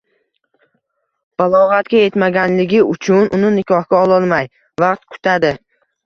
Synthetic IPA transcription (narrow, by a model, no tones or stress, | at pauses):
b̥alˠɒʁat̪ɡʲaje̞t̪maɡʲanlɪɡʲɪʊt͡ʃʰʊnʊnɪnɪkʲʰɒhkʲaɒlˠɒlˠmaj | vaqt̪kʰʊ̥t̪ʰad̪ɪ